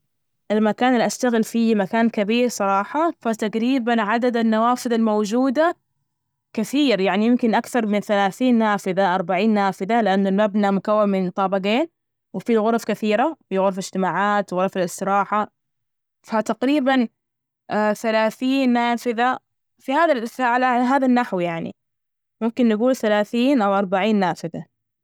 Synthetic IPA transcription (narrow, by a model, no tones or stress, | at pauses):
ʔɪlmakaːnɪlʔaʃt̪aɣɪlfimakaːnkabiːɾsˤɑɾˤɑːħɑfat̪aqɾiːbanʕad̪ad̪anːawaːfɪðalmowd͡ʒuːd̪a | kaθiːɾjaʕnijɪmkɪnʔakθɑɾˤmɪnθalaːθiːnːaːfɪðaʔɑɾˤbaʕiːnːaːfɪðalɪʔanːʊlmabnamʊkawːamɪnt̪ˤɑːbɑɡeːn | wɪfiɣʊɾˤfkaθiːɾafiɣʊɾˤflɪd͡ʒ̥t̪ɪmaːʕaːt̪ɣʊɾˤfɪlɪst̪ɨɾɑːħa | fat̪aqɾiːban | θalaːθiːnːaːfɪða | fihaːðalʔɪsaʕlaɦaːðanːaħwjaʕnḭ | mʊmkɪnːɪɡuːlθalaːθiːnʔawʔɑɾˤbaʕiːnːaːfɪða